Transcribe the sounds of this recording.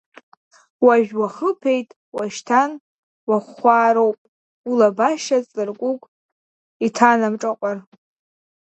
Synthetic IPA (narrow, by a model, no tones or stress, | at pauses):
waʒᶣwaχəpʰe̞jtʼ | waʃtʰan | waχʷaːɾowpʼ | ulabaʃat͡sʼɨrkʷʼukʷʼ | itʰanamʈ͡ʂʼaqʷʼar